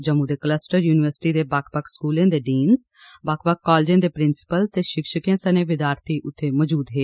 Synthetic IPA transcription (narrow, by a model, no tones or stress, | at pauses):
d͡ʒəmuːd̪eːkləsʈəɾjuːnɪʋəɾsʈiːd̪eːbakʰpəkʰskuːlẽːd̪eːɖiːnzbaːkʰpək̚ːɔːld͡ʒẽːd̪eːpɾɪnsɪ̥pəlt̪eːʃɪkʃəkẽːsəneːʋɪd̪jaːɾt̪ʰiːʔʊt̪ʰːeːməd͡ʒuːd̪ɦeː